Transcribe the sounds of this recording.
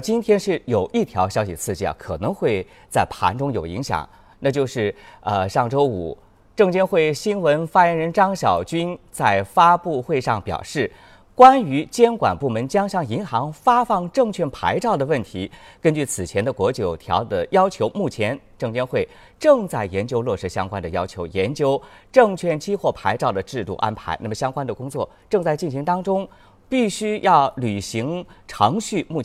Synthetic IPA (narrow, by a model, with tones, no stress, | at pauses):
t͡ɕi˥nt̪ʰjɛ˥nʂɻ̩˥˩jo˨˩ʊʔi˥˩t̪ʰjɑ˧˥ʊɕjɑ˥ʊɕḭ˨˩t͡sʰɹ̩˥˧t͡ɕḭ˥˩˥kʰɤ˨˩nɤ˧˥ŋxwe˥˧ɪ | t͡sa˥˩ɪpʰa̰˧˥nʈ͡ʂʊ˥ŋjo˨˩ʊḭ˧˥ŋɕjɑ̰˨˩˦ŋ | na˥˧t͡ɕjo˥˧ʊʂɻ̩˥˩ə˧ʂɑ˥˩ŋʈ͡ʂo˥ʊṵ˨˩˦ | ʈ͡ʂɤ˥˩ŋt͡ɕjɛ˥nxwe˥˩ɪɕi˥nwə˧˥nfa˥jɛ˧˥nɻə˧˥nʈ͡ʂɑ˥ŋɕjɑ˨˩ʊt͡ɕy˥nt͡sa˥˩ɪfa˥pu˥˧xwe˥˧ɪʂɑ˥˩ŋpjɑ̰˨˩ʊʂɻ̩˥˩ | kwa˥ny˧˥t͡ɕjɛ˥nkwa̰˨˩npu˥˩mə˧˥nt͡ɕjɑ˥ŋɕjɑ˥˩ŋi˧˥ŋxɑ˧˥ŋfa˥fɑ˥˧ŋʈ͡ʂɤ˥˧ŋt͡ɕʰɥɛ˥˩npʰa̰˧˥ɪʈ͡ʂɑ˥˩ʊd̪ə˩wə˥˩nt̪ʰi˧˥kə˥nt͡ɕy˥˩t͡sʰɹ̩˨˩t͡ɕʰjɛ˧˥nd̪ə˧kwɔ˧˥t͡ɕjo˨˩ʊt̪ʰjɑ̰˧˥ʊd̪ə˨jɑ˥ʊt͡ɕʰjo˧˥ʊmu˥˩t͡ɕʰjɛ˧˥nʈ͡ʂɤ˥˩ŋt͡ɕjɛ˥nxwe˥˩ɪ | ʈ͡ʂɤ˥˧ŋt͡sa˥˩ɪjɛ˧˥nt͡ɕjo˥ʊlwɔ˥˩ʂɻ̩˧˥ɕjɑ˥ŋkwa˥nd̪ə˨jɑ˥ʊt͡ɕʰjo˧˥ʊjɛ˧˥nt͡ɕjo˥ʊʈ͡ʂɤ˥˧ŋt͡ɕʰɥɛ˥˩nt͡ɕʰi˥xwɔ˥˩pʰa˧˥ɪʈ͡ʂɑ˥˩ʊd̪ə˩ʈ͡ʂɻ̩˥˧t̪ṵ˥˧ʔa̰˥npʰa̰˧˥ɪna˥˩mə˩ɕjɑ˥ŋkwa˥nd̪ə˨kʊ˥ŋt͡swɔ˥˩ | ʈ͡ʂɤ˥˧ŋt͡sa˥˧ɪt͡ɕi˥˩nɕ̬i˧˥ŋt̪ɑ˥ŋʈ͡ʂʊ˥ŋ | pi˥˩ɕy˥jʔɑ˥˩ʊly˨˩ɕi˧˥ŋʈ͡ʂʰɑ˧˥ŋɕy˥˧mu˥˩